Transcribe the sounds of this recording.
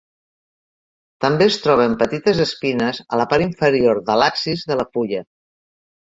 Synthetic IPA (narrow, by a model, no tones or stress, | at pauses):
t̪əmbeəst̪ɾɔβəmpət̪it̪əzəspinəzələpaɾiɱfəɾioɾðəlaksizðələfuʎə